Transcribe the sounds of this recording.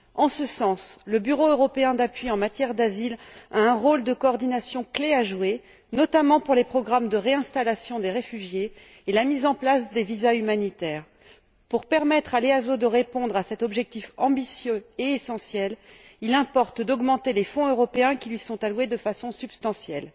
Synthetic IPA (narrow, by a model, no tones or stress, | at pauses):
ɑ̃səsɑ̃sləbyʁoøʁɔpeɛ̃d̪apɥiɑ̃mat̪jɛʁd̪azilaɛ̃ʁold̪əkɔːʁd̪inasjɔ̃kleaʒwe | nɔt̪amɑ̃puʁlepχɔɡʁamd̪əʁeɛ̃st̪alasjɔ̃d̪eʁefyʒjeː | lamizɑ̃plasd̪evizaymanit̪ɛːʁ | puʁpɛʁmɛt̪χaleazod̪əʁepɔ̃d̪ʁasɛt̪ɔbʒɛk̚t̪ifɑ̃bisjøeːsɑ̃sjɛl | ilɛ̃pɔʁt̪d̪ɔɡmɑ̃t̪elefɔ̃øʁɔpeɛ̃kʲilɥisɔ̃t̪alwed̪əfasɔ̃sybst̪ɑ̃sjɛl